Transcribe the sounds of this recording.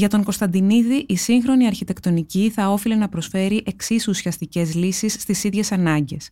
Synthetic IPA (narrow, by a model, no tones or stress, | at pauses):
ʝɐt̪o̞ŋko̞st̪ɐnd̪iniðiʔisiŋxɾo̞niɐɾçit̪e̞kt̪o̞niciθɐo̞file̞nɐpɾo̞sfe̞ɾiʔe̞ksisusiɐst̪ice̞zlisisːt̪isiðʝe̞sɐnɐɲɟe̞s